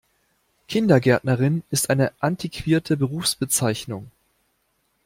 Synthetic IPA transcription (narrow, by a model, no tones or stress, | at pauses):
kʰɪndɐɡɛɐtnɐʁɪnɪstʔaɪnəʔantʰikʰv̥iːɐtʰəbəʁuːfsb̥ət͡saɪçnʊŋ